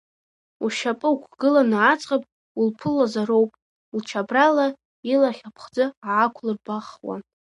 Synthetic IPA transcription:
uʃapʼɨukʷʰɡɨlanʕat͡sʼqʼapʼ | ulpʰɨlazaɾowpʼ | lt͡ʃʰabrala | ilaχʲapʰχd͡zɨaʕakʷʰlɨrbaχwa̰

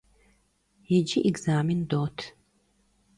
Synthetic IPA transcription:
jɛd͡ʒiʔiɡzaːmindoːtʰ

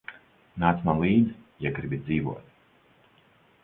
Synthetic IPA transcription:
naːt̪smalˠiːd̪zjaɡɾibʲid̪ziːvṵɔt̪

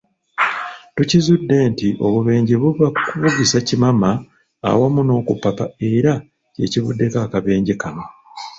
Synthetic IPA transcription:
tucizudːe̞ːntiʔo̞̰βuβe̞ːɲɟeβuβakuβuɡisacimama̰ː | wamuno̞ːkupːapae̞ɾa | ce̞̰ciβudːe̞kaːkaβe̞ːɲɟekano

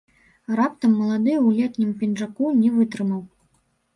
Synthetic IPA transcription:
rapt̪ɐmːɐlˠad̪ɨwlʲɛt̪nʲimpʲinʐakunʲɛvɨt̪ɾɨmɐw

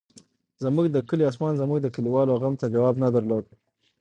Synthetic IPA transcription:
zəmuɡd̪əkəliɑs̬mɑnzəmuɡd̪əkəliwɑloɣamt̪ad͡ʒawɑbnad̪əɾlod̪̚

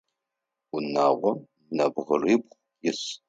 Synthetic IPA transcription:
unaːʁʷɔm | nɐbʁəribχʷ | jɪs

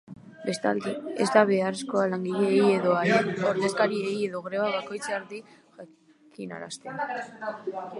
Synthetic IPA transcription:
be̞st̪a̰ld̪eezd̪aβ̞e̞are̞sko̞alaŋɡiʎe̞ːjeðoaoɾðe̞skaɾieje̞ðo̞ɣɾeβaβako̞jt͡saaɾði | ʝa | kʰina̰ɾa̰st̪e

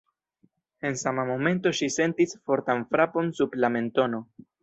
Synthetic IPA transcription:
e̞nsamamo̞me̞nto̞ʃise̞ntisfo̞ɾtanfɾapo̞nsublame̞nto̞no̞

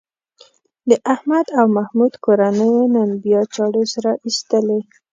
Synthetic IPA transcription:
d̪əʔahmad̪awmahmud̪koɾanəjonanbijɑt͡ʃɑɽosaɾaʔist̪əle

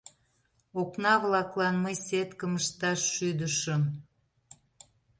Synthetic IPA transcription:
oknɑβlɑklɑnməjset̪kəməʃt̪ɑʃːyd̪əʃəm

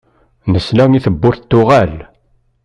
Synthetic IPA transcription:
nəslæŋiθəbːʊɾθt̪ːʊʁæl

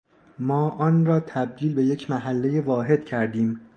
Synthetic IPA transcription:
mɒːʔɒːnrɒːt̪ʰæb̚d̪iːlbe̞je̞cʰmæɦælːe̞jevɒːɦe̞d̪̥̚cʰæɾd̪iːm

